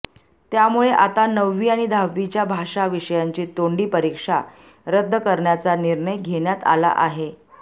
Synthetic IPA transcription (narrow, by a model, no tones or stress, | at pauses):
t̪jamuɭeʔat̪anəʋːiːaɽ̃id̪ʱaʋːit͡ɕjabʱaʂaʋiʂəjaɲt͡ɕiːt̪oɳɖiːpəɾikʂa | ɾəd̪ʱːəkəɾɳjat͡saniɾɳəjɡʱeɳjat̪a̰la̰ʔaɦe